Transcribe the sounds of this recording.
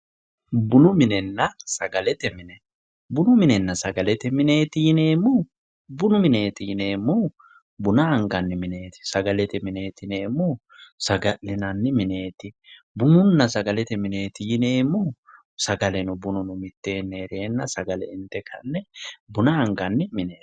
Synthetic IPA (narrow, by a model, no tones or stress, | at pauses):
bʊnʊmɪnɛnːɐsɐɡɐlɛt̪ɛmɪnɛ | bʊnʊmɪnɛnːɐsɐɡɐlɛt̪ɛmɪne̞ːt̪ɪjɪne̞ːmːʊ | bʊnʊmɪne̞ːt̪ɪjɪne̞ːmːʊ | bʊnɐɐŋɡɐnːɪmɪne̞ːt̪ɪ̥sɐɡɐlɛt̪ɛmɪne̞ːt̪ɪneːmːʊ | sɐɡɐlɪnɐnːɪmɪne̞ːt̪ɪ | bʊnʊnːɐsɐɡɐlɛt̪ɛmɪne̞ːt̪ɪjɪne̞ːmːʊ | sɐɡɐlɛnʊbʊnʊnʊmɪt̪ːeːnːeɾeːnːɐsɐɡɐlɛ̰ɪnt̪ːɛkʰɐnːɛbʊnɐɐŋɡɐnːɪmɪneː